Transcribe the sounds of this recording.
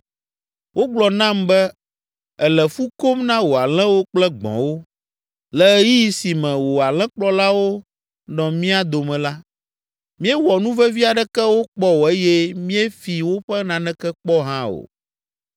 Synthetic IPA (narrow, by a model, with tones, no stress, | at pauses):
wʔo˦ɡ͡blɔ˨nã˦mbɛ˦ | ɛ˨lɛ˨fu˦ko˦mnã˦wo˨a˨lɛ̃˦wo˦k͡plɛ˦ɡ͡bɔ̰̃˨wo˦ | lɛ˨˦ji˦˨si˨mɛ̃˨wo˨a˨lɛ̃˦k͡plɔ˦la˦wo˦ | nɔ̃˨mĩ˦a˦d̪o˨mɛ̃˨la˦ | mĩ˦ɛ˦wɔ˨nũ˦vɛ˦vi˦a˨ɖɛ˦kɛ˦wo˦k͡pɔ˦wo˨e˦jɛ˦mĩ˦ɛ˦fi˨wo˦ɸɛ˦nã˨nɛ̃˦kɛ˦k͡pɔ˦ɦã˦o̰˨